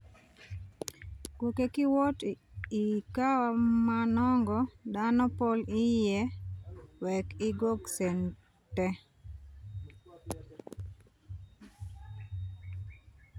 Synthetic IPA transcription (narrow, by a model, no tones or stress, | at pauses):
kukekɪwɔtikawamanɔŋɡɔdanɔpolɪjɛ | wɛkɪɡoɡsɛn | tɛ